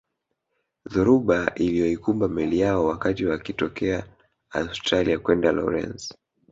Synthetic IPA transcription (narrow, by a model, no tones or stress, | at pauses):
ðuɾuɓaʔilijɔikumbamɛlijaɔwakatiwakitɔkɛa | austɾaliakwɛndalɔ̰ɾɛ̰ns